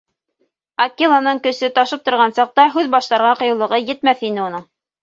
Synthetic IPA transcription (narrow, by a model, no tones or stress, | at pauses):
akʲːilˠanɤɴkɵ̆sɵt̪ɑʃɤp̚t̪ŏɾʁɑnsɑq̚t̪ɑɦʉðbɑʃt̪ɑɾʁɑqɤ̆jowlˠɤ̆ʁɤjɘ̆t̪mæθinɘunɤɴ